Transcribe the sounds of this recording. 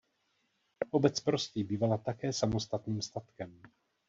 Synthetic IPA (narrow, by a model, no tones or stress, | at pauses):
ʔo̞bɛt͡spɾo̞st̪iːbiːvalat̪akɛːsamo̞st̪at̪niːmst̪at̪kɛm